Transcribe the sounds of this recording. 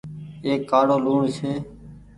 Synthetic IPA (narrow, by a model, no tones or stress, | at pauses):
eːkːaːɽoːluːɳseː